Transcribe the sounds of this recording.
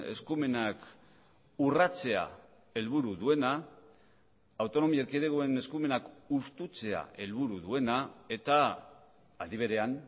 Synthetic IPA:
e̞̰skume̞nak | urat͡se̞a̰ | e̞lβ̞uɾuðue̞na | awt̪o̞no̞miaɾkeðeɣoe̞ne̞skume̞nakust̪ut͡se̞a̰e̞lβuɾuðue̞nae̞t̪aː | ðiβ̞e̞ɾe̞an

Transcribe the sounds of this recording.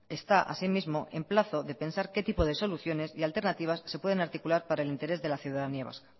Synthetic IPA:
e̞st̪aʔa̰simizmo̞ʔe̞mplaθo̞ðe̞pe̞nsaɾke̞t̪ipo̞ðe̞so̞luθjo̞ne̞sialt̪e̞ɾnat̪iβ̞asːe̞pwe̞ð̞e̞naɾt̪ikulaɾpaɾaelint̪eɾe̞zðe̞laθjuðaðaniaβa̰ska

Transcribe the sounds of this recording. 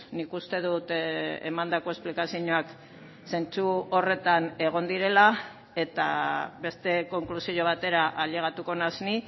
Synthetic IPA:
nikust̪e̞ðut̪ḛmand̪ako̞esplikasiɲoak | se̞nt͡suo̞re̞t̪ane̞ɣ̞o̞nd̪iɾe̞la | e̞t̪aβe̞st̪e̞ko̞ŋklusioβat̪e̞ɾaʔaʎe̞ɣ̞at̪uko̞nazni

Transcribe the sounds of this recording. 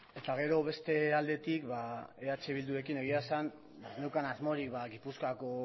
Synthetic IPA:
e̞t̪aɣ̞e̞ɾo̞βe̞st̪e̞ald̪e̞t̪ikbaeat͡ʃe̞β̞ild̪uɾe̞kine̞ɣiasan | banewkanazmo̞ɾikbaɣipuskako̞

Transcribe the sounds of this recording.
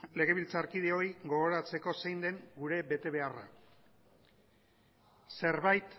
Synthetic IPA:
le̞ɣ̞e̞βilt͡saɾkiðeo̞jɡo̞ɣo̞ɾat͡se̞ko̞sejnd̪e̞ŋɡuɾe̞βe̞t̪e̞βe̞ara̰ | se̞ɾβajt̪

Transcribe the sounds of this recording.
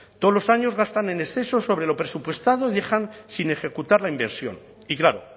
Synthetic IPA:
t̪olo̞saɲo̞zɣast̪ane̞nesθe̞so̞so̞βɾe̞lo̞pɾe̞supwe̞st̪að̞o̞iðe̞xansine̞xe̞kut̪aɾlaimbeɾsjo̞̰n | iklaɾo

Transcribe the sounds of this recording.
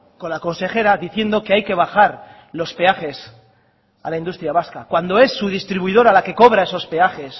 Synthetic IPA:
ko̞nlako̞nse̞χe̞ɾaðiθje̞nd̪o̞ke̞ajke̞β̞aχaɾ | lo̞spe̞aχe̞s | alaind̪ust̪ɾjaβaskakwand̪o̞e̞sːuð̞ist̪ɾiβuið̞o̞ɾalake̞ko̞βɾae̞so̞spe̞aχe̞s

